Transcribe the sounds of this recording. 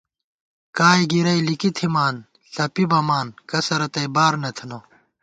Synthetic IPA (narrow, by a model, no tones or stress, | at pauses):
kaːjɡiɾɐjlikit̪ʰimaːn | ɬɐpibɐmaːnkɐsɐɾɐt̪ɐjbaːɾnɐt̪ʰɐno